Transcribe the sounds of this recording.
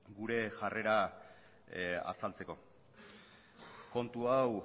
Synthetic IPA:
ɡuɾe̞ʝare̞ɾa | a̰salt͡se̞ko̞ | ko̞nt̪uaw

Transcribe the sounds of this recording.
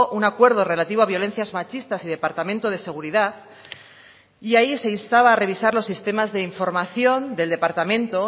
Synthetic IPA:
ʔunakwe̞ɾð̞o̞re̞lat̪iβo̞aβjo̞le̞n̟θjazmat͡ʃist̪asið̞e̞paɾt̪amẽnt̪oð̞e̞se̞ɣ̞uɾiðaθ | iaise̞inst̪aβaːre̞β̞isaɾlo̞sːist̪e̞mazðe̞iɱfo̞ɾmaθjo̞nd̪e̞ld̪e̞paɾt̪amẽ̞nt̪o̞

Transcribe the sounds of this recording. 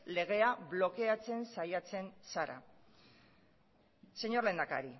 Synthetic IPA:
le̞ɣ̞e̞aβlo̞ke̞at͡se̞nsajat͡se̞nsaɾa̰ | se̞ɲo̞ɾlend̪aka̰ɾi

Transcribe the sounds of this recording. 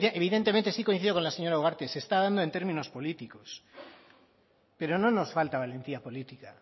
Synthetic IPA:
ʝaʔe̞β̞iðe̞nt̪ement̪esiko̞inθiðoko̞nlaseɲo̞ɾaoɣaɾt̪esest̪aðand̪oe̞nt̪e̞ɾmĩno̞spo̞lit̪iko̞s | pe̞ɾo̞nõ̞no̞sfalt̪aβalẽ̞nt̪iapo̞lit̪ika

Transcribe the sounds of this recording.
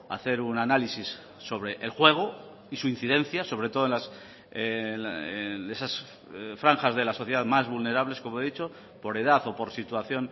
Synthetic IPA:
a̰θe̞ɾunanalisisː | o̞βɾe̞ʔelxwe̞ɣ̞o | isuin̟θiðẽ̞nθjaso̞βɾe̞t̪o̞ðoenlas | enesas | fɾaŋxazðe̞lasoθje̞ðaðmazβulne̞ɾaβle̞sko̞moeðit͡ʃo̞ | po̞ɾe̞ðaθo̞po̞ɾsit̪waθjo̞n

